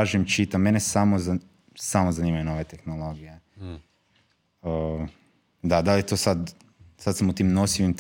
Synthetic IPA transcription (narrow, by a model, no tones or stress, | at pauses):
aʒimt͡ʃit̪ame̞nesamoza | samozaniːmajuno̞ʋe̞t̪e̞xnolˠo̞ɡije | ə | d̪ad̪aliet̪oːsad̪ | sad̪samut̪iːmnosiʋimt̪